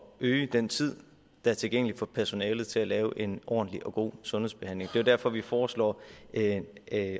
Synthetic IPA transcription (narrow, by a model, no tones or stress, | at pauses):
øːəd̥ent͡sʰið̞̰ˠ | d̥ɑ̈æɐt͡sʰe̝lɡ̥eŋ̰əli̥fɒ̽pʰæɐso̝nɛːlð̩ˠt͡sʰe̝lælɛːʊʔe̝nʔɒ̰ːn̩liʔɒ̽ɡ̥o̝̰ːsɔ̽nheð̰ˠsb̥e̝hæn̰le̝ŋd̥e̝ʊd̥æɐ̰fɒ̽ʋifɒːslɒ̰ː